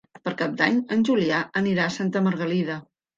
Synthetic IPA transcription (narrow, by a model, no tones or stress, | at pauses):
pəɾkap̚d̪aɲənʲʒuliaəniɾaəsant̪əməɾɣəliðə